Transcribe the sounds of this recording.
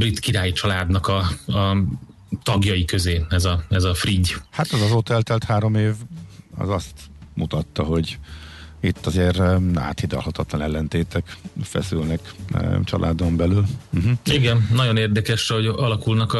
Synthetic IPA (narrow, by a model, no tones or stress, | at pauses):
brit̪kiɾaːjit͡ʃɒlaːd̪nɒkɒɒ | t̪ɒɡjɒjikø̞zeːɛzɒɛzɒfriɟhat̪ɛzɒzoːt̪ɛlt̪ɛlt̪haːɾo̞meːvɒ̰zɒst̪mut̪ɒt̪ːɒɦo̞ɟ | it̪ːɒzeːɾa̰ːt̪hid̪ɒ̰lhɒt̪ɒt̪lɒnɛlːɛnt̪eːt̪ɛkfɛ̰sylnɛkt͡ʃɒ̰lʔa̰ːd̪o̞mbɛlylm̩ɦm̩iɡɛnːɒɟo̞neːrd̪ɛkɛʃho̞ɟɒlɒkulnɒk